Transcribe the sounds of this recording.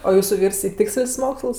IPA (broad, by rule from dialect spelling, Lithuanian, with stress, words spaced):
oː ˈjuːsʊ ˈʋʲiːrs ɪ ˈtʲɪksʲlʲsʲ ˈmoːkslˠs